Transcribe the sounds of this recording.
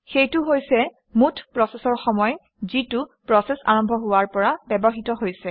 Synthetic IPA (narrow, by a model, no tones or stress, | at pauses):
xejtʊɦojsɛ | mutʰpɹɔsɛsɔɹxɔmɔj | zitʊpɹɔsɛsa̰ɹɔmbʱɔɦʊwaɹpɔɹabɛbɔɦitɔɦojsɛ